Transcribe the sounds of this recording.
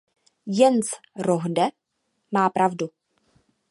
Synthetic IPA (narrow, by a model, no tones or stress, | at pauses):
jɛnt͡s | ɾoɦdɛ | maːpɾavdu